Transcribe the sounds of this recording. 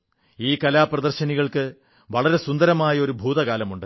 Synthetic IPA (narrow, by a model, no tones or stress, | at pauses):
iːkɐlaːprɐd̪ɐrɕɐniɣɐɭkɨ | ʋɐɭɐɾe̞sund̪ɐɾɐmaːjɐo̞ɾubʱuːd̪ɐɣaːlɐmuɳɖɨ